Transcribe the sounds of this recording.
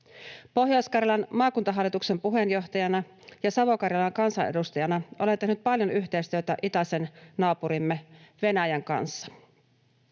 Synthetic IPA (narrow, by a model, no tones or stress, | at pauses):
po̞ɦjoskɑrjɑlɑnmɑːkunt̪ɑɦɑlːit̪ukse̞mpuɦe̞njo̞ht̪ɑjɑnɑ | jɑsɑʋo̞kɑrjɑlɑŋkɑnsɑnʔḛdust̪ɑjɑnɑʔo̞let̪e̞hnyt̪̚pɑljonyçt̪e̞jst̪yøt̪æʔit̪ɑse̞nnɑːpuɾimːeʋe̞næjæŋkɑ̰nsːɑ̥